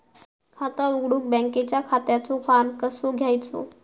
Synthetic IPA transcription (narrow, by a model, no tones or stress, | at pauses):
kʰat̪auɡɽuːk̚bɛ̃ŋket͡ɕjakʰat̪jat͡sofankəsoɡʱjajt͡so̰